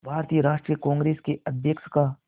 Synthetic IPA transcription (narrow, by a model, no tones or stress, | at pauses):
bʱaːɾt̪ijəɾaːʃʈɾijəkɔ̃ːŋɡɾeːskeɐd̪ʱjəkʃka